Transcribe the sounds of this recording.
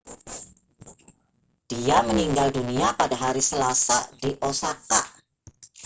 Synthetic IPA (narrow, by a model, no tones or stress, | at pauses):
d̥iaməniŋɡalduniapadaɦaɾisəlasadiʔosakaʔ